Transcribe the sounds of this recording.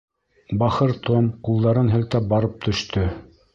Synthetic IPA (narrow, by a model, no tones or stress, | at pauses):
bɑχɤɾt̪omqulˠd̪ɑɾɤnɦɘ̆lt̪æp̚bɑɾɤp̚t̪ʰɵ̆ʃt̪ɵ